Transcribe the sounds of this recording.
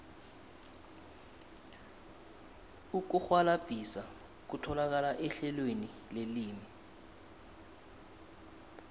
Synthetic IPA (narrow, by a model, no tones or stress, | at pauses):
uk̬uxwalab̥ʱisa | k̬utʰɔlak̬alaʔɛɬɛlwenileliːmi